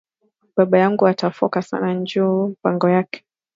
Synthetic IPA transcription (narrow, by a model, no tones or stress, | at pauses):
ɓaɓajaŋɡuatafɔ̰kasa̰naɲd͡ʒuːpaŋɡɔjakɛ̥